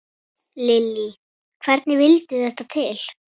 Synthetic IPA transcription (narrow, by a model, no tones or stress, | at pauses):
lɪlːi | kʰvɛɾt̪nɪvɪlt̪ɪθɛht̪at̪ʰɪl